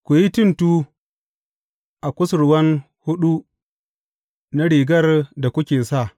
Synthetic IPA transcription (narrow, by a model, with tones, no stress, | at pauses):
kʷʊ˨ji˦tʊ˦ntu˦ | ʔa˨kʷʊ˦sʊ˨ɾwɐ˦n | hʊ˦ɗu˦ | na˦ɽiː˨ɡɐ˦rda˨kʷʊ˦kʲeː˨sa˦˨